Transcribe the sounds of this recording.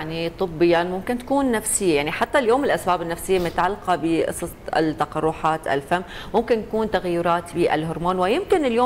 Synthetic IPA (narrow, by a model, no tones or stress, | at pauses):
ʕnit̪ˤɨbːɪjːamʊmkɪnt̪ḁkuːnːafsɪjːajaʕniħat̪ːaljoːmɪlʔasbaːbɪnːafsɪjːamnʊt̪ʕalːqɑbɪʔɨ̰sˤɑst̪ːɑqɑrˤːuːħaːt̪ʔa̰lfamːmʊmkɪnt̪akuːnt̪aɣajiɾˤɑːt̪biːʔa̰lɦʊɾmaːnwɪjɪmkɪnɪljoː